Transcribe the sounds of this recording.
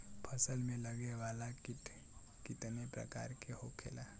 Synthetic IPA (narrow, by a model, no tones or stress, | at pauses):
pʰɐsəlmẽlɐɡeʋaːlakɪ | kɪt̪nepɾɐ̰ka̰ːɾkeɦokʰḛːlaː